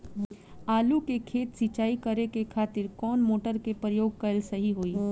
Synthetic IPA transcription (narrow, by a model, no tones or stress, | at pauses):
aːlukekʰeːt̪sit͡ʃaːikɐɾekekʰaːt̪ɪɾkɔːnmoːʈəɾkepɾəjoːɡ̚kɐlsɐɦiɦoːiː